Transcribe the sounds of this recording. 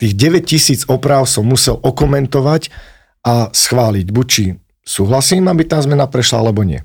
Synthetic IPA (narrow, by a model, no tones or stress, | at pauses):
t̪iːɣɟɛʋɛccisiːd͡zɔpɾaːʊsɔmːusɛlɔkɔmɛnt̪ɔʋac | asxʋaːliɟbuc̚t͡ʃi | suːɦlasiːmabit̪aːzmɛnapɾɛʃlaalɛbɔɲɪɛ̰